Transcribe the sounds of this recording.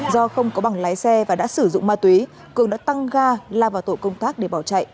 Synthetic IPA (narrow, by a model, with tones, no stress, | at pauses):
zɔ˧xə˧wŋ͡mkɔ˨˦ɓa˨˩ŋlaː˨˦jsɛ˧vaː˨˩ɗa̰ː˧˥sɨ˧˩zʊ̰˧˨ŋ͡mmaː˧˩t̪wi˨˦ | kɨ˨˩əŋnɗa̰ː˧˥t̪a˧ŋɣaː˧laː˧˩vaː˨˩wt̪o̰˧˨kə˧wŋ͡mt̪aː˦˥k̚ɗe˧˩ɓaː˧˩wt͡ɕa̰˧˨jʔ